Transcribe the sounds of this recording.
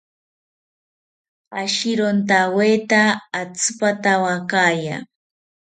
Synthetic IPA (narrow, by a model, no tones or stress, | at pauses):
aʃɪɾont̪awejt̪aːt͡spat̪awakaːja̰